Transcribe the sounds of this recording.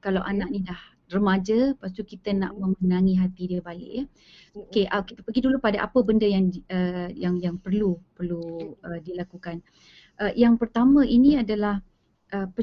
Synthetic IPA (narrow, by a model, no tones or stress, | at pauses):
kalawʔanaʔ̚nĩdah | rəmad͡ʒəpas̬t̪ukit̪əna̰ʔmə̃mənãŋĩɦat̪idiəbalɪ̰ʔjə | okeʔəkit̪əpəɡidulupadaʔa̰pəbəndəjaŋəjaŋjaŋpərlupərluədilakukan | ʔəjaŋpərt̪amə̃ʔinĩadalah | ʔəpə